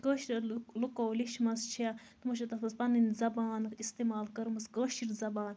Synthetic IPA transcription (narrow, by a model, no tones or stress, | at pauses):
ɡəːʃiɾɐlukoːwliʃmɐst͡ʃʰiat̪mɐʃɐt̪ɐfɐspɐninzɐbaːnist̪emaːlkɐɾmɐsɡəːʃiɾzɐbaːn